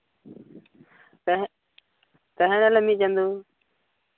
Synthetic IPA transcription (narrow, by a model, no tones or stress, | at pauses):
t̪əɦənələmĩːt͡ʃənd̪uː